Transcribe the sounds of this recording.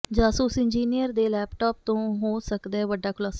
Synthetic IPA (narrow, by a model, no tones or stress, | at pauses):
d͡ʒaːsuːsɪnd͡ʒiːnijəɾd̪eːlɛːpʈaːp̚t̪õːɦoːsəkd̪aːɦɛːʋəɖːaːkʰʊlaːsaː